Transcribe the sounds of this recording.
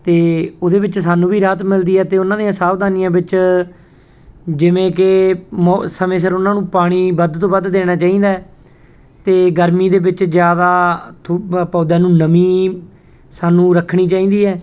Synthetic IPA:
t̪eːoːd̪eːbɪt͡ʃsaːnũːbiːɾaːt̪mɪld̪iːɛːt̪eːʊnãːd̪ijãːsaːʋd̪aːnɪjãːbɪt͡ʃ | d͡ʒɪʋẽːkɪmːsəmẽːs̬əɾʊnãːnũːpaːɽ̃iːbəd̪t̪õːbəd̪d̪eːɽ̃aːt͡ʃaːĩːnd̪aːɛ | t̪eːɡəɾmiːd̪eːbɪt͡ʃd͡ʒjaːd̪aːt̪ʰpɔːd̪ãːnũːnəmiː | saːnũːɾəkʰːɽ̃iːt͡ʃaːiːnd̪iːɛː

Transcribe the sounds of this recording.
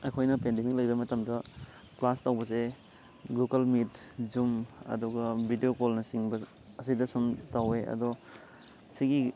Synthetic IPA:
ɐkʰojnɐpendemik̚lɐjbɐmɐtɐmdɐ | klastawbɐse | ɡuɡɐlmitd͡ʒumɐ̰duɡɐbʱidiokolnɐsiŋbɐː | sidɐsumtaweɐ̰dɔ | siɡi

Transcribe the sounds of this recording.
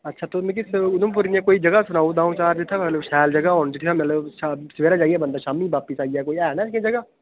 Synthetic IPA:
ɐtːʃʰat̪oːmɛ̃k̬isʊnʊmp̬ʊɾnɪjãkoːid͡ʒəɡasʊnaːũd̪aːũt͡ʃaːɾd͡ʒɪt̪ʰːãmɛt̪ləbʃɛːld͡ʒəɡaɦoːnd͡ʒɪt̪ʰːãmɛt̪ləbʃasʋeːɾad͡ʒaːiɛːbə̃nd̪aːʃaːmiʋaːpɪsaːiakoːiɛːnãskẽd͡ʒəɡaː

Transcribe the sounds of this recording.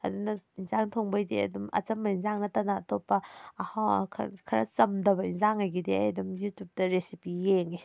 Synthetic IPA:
ɐ̰dunɐinzaŋtʰoŋbajdiɐ̰dumɐ̰t͡ʃɐmːɐinzaŋnɐtɐnaːtʰopːɐɐhakʰkʰɐɾɐ̰t͡ʃɐmdɐbɐinzaŋajɡidea̰jdumjutjup̚tɐɾesipijeŋi

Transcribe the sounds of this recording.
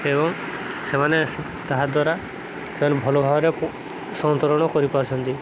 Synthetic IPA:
ebɔŋ | semaneasi | t̪aɦad̪waɾa | semanebʱɔlɔbʱabɾe | sɔnt̪ɔɾɔɽ̃ɔkɔɾipɔɾt͡ʃʰɔnt̪i

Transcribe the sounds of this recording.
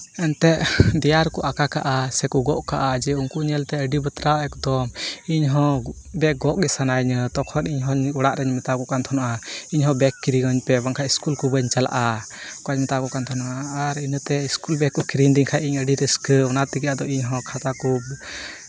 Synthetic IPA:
ɛnt̪ɛʔd̪ijaɾkɔʔakakaʔasɛkuɡɔʔkaʔad͡ʒɛuŋkuɲɛlt̪ɛəɖibət̪ɾaɛkd̪ɔmiɲɦɔ̃ | bɛk̚ɡɔʔɡɛsanajɲət̪ɔkʰɔniɲɦɔɲɔɽaʔɾɛɲmɛt̪aɡɔʔkant̪ʰɔnaʔaiɲɦɔ̃bɛkːiɾiɡɔɲpɛbaŋkʰaiskulkubəɲt͡ʃala̰ʔa | kaɲmɛt̪aɡɔʔkant̪ʰɔnaʔaːɾinət̪ɛiskulbɛkːɔkiɾind̪iŋkʰaʔiɲəɖiɾəskəɔnat̪iɡijad̪ɔiɲɦɔ̃kʰat̪akub̚

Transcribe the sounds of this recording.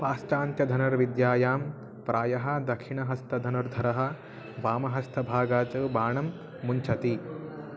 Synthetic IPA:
paːsʈaːnt̪jɐd̪ʱɐnɐɾʋid̪jaːjaːm | pɾaːjɐɦɐ̆d̪ɐkʂiɳɐɦɐst̪ʰɐd̪ʱɐnɐɾd̪ʱɐɾɐɦɐ̆ | ʋaːmɐɦɐst̪ʰɐbʱaːɡaːt͡ʃɐːbaːɳɐmː | uɲt͡ʃʰɐt̪i

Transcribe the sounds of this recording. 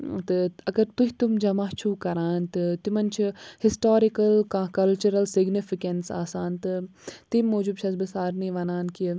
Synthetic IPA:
t̪ɨɐɡɐɾt̪uɦit̪umd͡ʒɐmaːɦt͡ʃʰuːkɐɾaːnt̪ɨt̪imɐnt͡ʃʰihɪsʈoːɾikɐlkãːkɐlt͡ʃuɾɐlsɪɡnifikɐnsa̰ːsaːnt̪ɨt̪imːoːd͡ʒub̚ʃʰɐsbɐsaːɾniːʋɐnaːnki

